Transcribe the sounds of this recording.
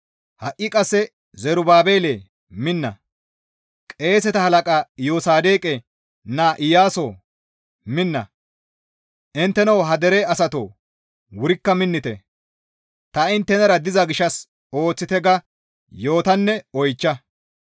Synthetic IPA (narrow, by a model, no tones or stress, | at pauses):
hɐʔʔːɪkʼɐsːɛ | zɛɾʊbaːbeːleː | mɪnːɐ̰ | kʼe̞ːsɛt̪ɐhɐlɐkʼaːjoːsaːd̪e̞ːkʼɛ | naːʔɪjaːsoː | mɪnːɐ̰ | ʔɪnt̪ːɛnɐwɦɐd̪ɛɾeɐsɐt̪oː | wʊɾɪkːɐmɪnːɪt̪ɛ̰ | t̪ɐɪnt̪ːɛnɐɾɐd̪ɪzɐɡɪʃːɐs | o̞ːt͡sːɪt̪ɛɡɐ | jo̞ːt̪ɐnːɛɔjt͡ʃːɐ